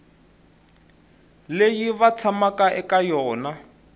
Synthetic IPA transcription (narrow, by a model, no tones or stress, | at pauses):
lejiβat͡sʰamakaʔɛkajɔːna